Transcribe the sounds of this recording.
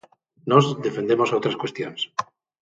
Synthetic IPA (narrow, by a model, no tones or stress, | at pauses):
nozðe̞fe̞nd̪emosowt̪ɾaskwest̪jons